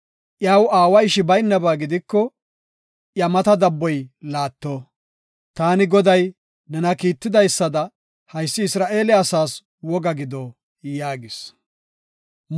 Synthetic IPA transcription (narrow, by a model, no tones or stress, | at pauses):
ʔjaːwaːwɐɪʃɪbɐjnːɐbaːɡɪd̪ɪkːɔ | ʔjɐmɐt̪ɐd̪ɐbːɔjlaːt̪ːo | t̪aːnɪɡɔd̪ɐj | nɛnɐkiːt̪ːɪd̪ɐjsːɐd̪ɐ | hɐjsːɪɪsɾaːʔe̞ːlɛɐsaːs | wɔɡɐɡɪd̪ɔ | jaːɡɪs